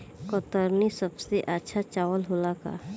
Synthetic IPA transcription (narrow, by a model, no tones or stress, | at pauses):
kɔt̪əɾnisəbseʔətːʃʰat͡ʃaːwəlɦolaka̰